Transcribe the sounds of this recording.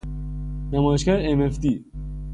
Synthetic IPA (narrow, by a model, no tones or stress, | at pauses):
næmɒːjeʃcæɾeemefd̪iː